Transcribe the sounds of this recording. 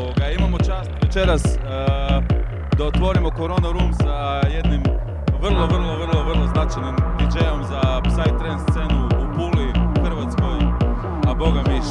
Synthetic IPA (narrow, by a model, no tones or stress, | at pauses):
oɡaimamo̞t͡ʃaːst̪ʋet͡ʃe̞ɾas | d̪aot̪ʋo̞ɾimo̞ko̞ɾo̞ːnaɾuːmsa | jed̪nim | ʋr̩lˠo̞ʋr̩lˠo̞ʋr̩lˠo̞ʋr̩lˠoznat͡ʃajnimʋid͡ʒejomzasajt̪ɾenst̪senuːpuːliuxr̩ʋat̪sko̞j | abo̞ɡami